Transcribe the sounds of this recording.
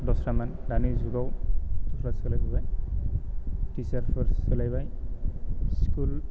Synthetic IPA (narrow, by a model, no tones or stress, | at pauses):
dɔsɾamandanizuɡawtɔkʰɾaskalajbabaj | tisaɾpʰaɾskelajbaj | skul